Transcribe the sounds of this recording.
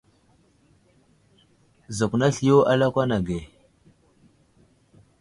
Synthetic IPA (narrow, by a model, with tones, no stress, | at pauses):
zə˨kna˦ɬi˨jo˦ʔa˦la˦kʷa˦na˨ɡe˨